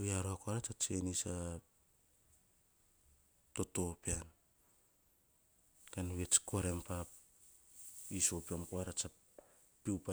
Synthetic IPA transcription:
βiaɾoakoaɾat͡ʃat͡ʃenisa | to̞to̞pean | kanuβet͡ʃko̞ɾempap | iso̞piamkoaɾat͡ʃa | piwpa

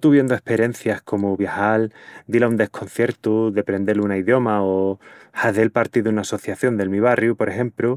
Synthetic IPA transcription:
t̪uβje̞nd̪oe̞hpe̞ɾje̞nθjaskʰo̞muβjahald̪ilaund̪e̞hkʰo̞nθje̞ɾt̪uðepɾe̞nd̪e̞lunaiðjo̞maohaðelpaɾt̪iðunaːso̞θjaθjo̞nd̪e̞lmiβ̞arjupo̞ɾe̞xe̞mplu

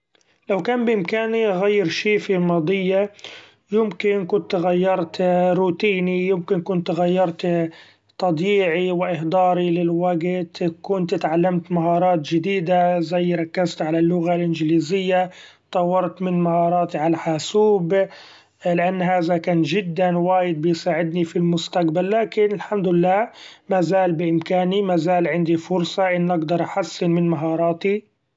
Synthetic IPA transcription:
lawkaːnbɪʔɪmkaːniʔɣajːɪɾʃiːfilmɑːd̪ˤɨjːa | jɪmkɪnkʊnt̪ɣajːɑɾˤt̪ɾuːt̪iːnijɪmkɪnkʊnt̪ɣajːɑɾˤt̪ | t̪ˤɑb̪ˤiːʕiwɪʔɪhd̪ɑːɾilɪlwaɡt̪kʊnt̪t̪ʕalːamt̪maɦɑːɾˤɑːt̪d͡ʒɪd̪iːd̪azajːɾˤɑkːazt̪ʕalalːʊɣalʔɪnd͡ʒɪliːzɪjːat̪ˤɑwːɑɾˤt̪mɪnmahɑːɾˤɑːt̪iʕalaħaːsuːb | lɪʔanːɦaːðakaːnʒɪd̪ːanwaːjɪd̪̚bɪjsaːʕɪd̪nifilmʊst̪aqbalːaːkɪnɪlħamd̪ʊɪlːaːmaːzaːlbɪʔɪmkaːnimaːzaːlʕɪnd̪ifʊɾsˤɑʔɪnːʔaɡd̪ɑɾˤʔaħasːɪnmɪnmaɦɑːɾˤɑːt̪i

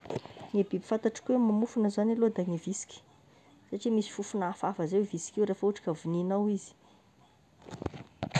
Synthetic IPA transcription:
ŋebibi̥fant̪aʈ͡ʂḁkuemːamufunəzanalod̪aŋevisi̥kʲi̥ | saʈ͡ʂimisi̥fufunafafəzewvisi̥kʲiwɾefəuʈ͡ʂḁkʲavuninawizi̥

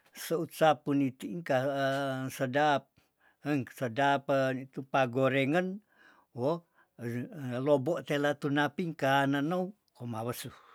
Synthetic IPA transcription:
səusapunit̪iʔŋka | sədap̚ | əŋsədapənit̪upaɡoɾeŋən | wo | loboʔt̪elat̪unapiŋkananou | komawəsu

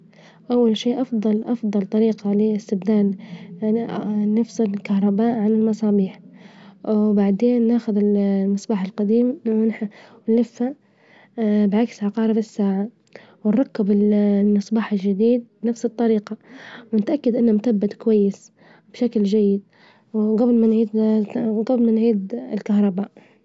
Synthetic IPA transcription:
ʔawːalʃiːʔɑfd̪ˤɑlʔɑfd̪ˤɑlt̪ˤɑɾiːqɑliɪst̪ɪbd̪aːn | nafsɪlkahɾˤɑbaːʔʕanɪlmɑsˤɑːbiːħ | baʕd̪eːnːaːxʊðɪlmɨsˤbaːħɪlqɑd̪iːmnħwɪnlɪfːa | bʕaksʕɑqɑːɾˤɪbɪsːaːʕa | wɪnɾˤɑkːɪbɪlmɨsˤbɑːħɪld͡ʒɪd̪iːd̪̚bnafsɨt̪ˤːɑɾiːqɑwnɪt̪ʔakːad̪ʔɪnːamʊt̪abːat̪kʊwajːɪs | b̥ʃakld͡ʒajːɪd̪̚ | wɡablmanʕiːd̪ɡablmanʕiːd̪ɪlkahɾˤɑbaːʔ

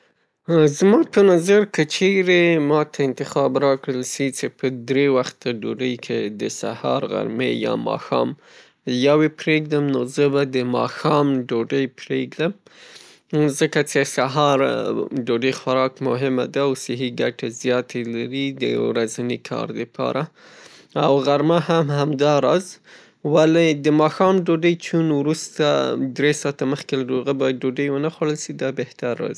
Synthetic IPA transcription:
zmɑpənazaɾkət͡ʃeɾemɑt̪ʰaɪnt̪ɪxɑbɾɑkɽəlʃit͡ʃepəd̪ɾewaxt̪aɖoɖəjkʰed̪əsa̰hɑ̰ɾɣa̰ɾmḛjɑ̰mɑ̰xɑ̰m | jawepɾeɡ̚d̪əmnozəbad̪əmɑ̰xɑmɖoɖəjpɾeɡd̪əm | zəkat͡ʃesaɦɑɾɖoɖəjxaɾɑkmʊɦɪma̰d̪aːwsɪɦiɡaʈezjɑt̪ʰelaɾid̪ə̰ɾazanikʰɑ̰ɾd̪əpʰɑ̰ɾa | awɣaɾmahamhamd̪ɑɾɑz | waled̪əmɑxɑmɖoɖəjt͡ʃunwɾust̪ad̪ɾesɑt̪aməxkelaɖoɣəbɑjad̪̚ɖoɖəjwənaxwaɽəlʃid̪ɑbeht̪aɾːɑ̰zi

